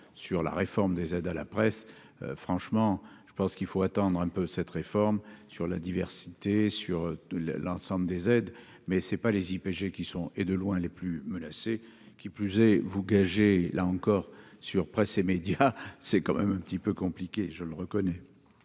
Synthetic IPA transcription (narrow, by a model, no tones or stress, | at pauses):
syʁla̰ʁefɔʁmd̪ezɛd̪ala̰pχɛs | ø̰fχɑ̃ʃmɑ̃ʒ̥əpɑ̃skilfoat̪ɑ̃d̪ʁɛ̃pøsɛt̪ʁefɔʁmsyʁlad̪ivɛʁsit̪esyʁl̰lɑ̃sɑ̃bləd̪ezɛd̪ | mɛsɛpalezipeʒekʲisɔ̃ed̪əlwɛ̃leplymənase | kʲiplyzɛvuɡaʒelʔaɑ̃kɔʁsyʁpχɛsemed̪jasɛkɑ̃mɛ̰mɛ̃pət̪ipøkɔ̃plikʲeʒələʁəkɔnɛ